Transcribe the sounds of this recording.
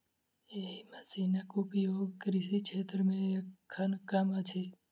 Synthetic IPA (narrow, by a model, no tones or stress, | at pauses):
eɦiməsinɐkʊpjoːɡkɾiʃikʰet̪ɾəmẽekʰːankamat͡ʃʰe